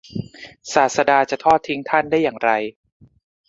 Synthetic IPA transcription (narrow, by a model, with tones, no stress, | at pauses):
saː˨˩t̪̚sa˧daː˧t͡ɕa˨˩t̪ʰɔː˥˩t̪ʰːi˦˥ŋt̪ʰa˥˩ndaː˥˩jːaː˨˩ŋɾa˧j